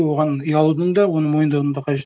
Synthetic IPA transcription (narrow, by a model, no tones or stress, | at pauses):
wo̞ʁɑnəjɑlˠud̪əɴd̪ɑwo̞nəɴmo̞jənd̪ɑw̪əɴd̪ɑqʰɑʒe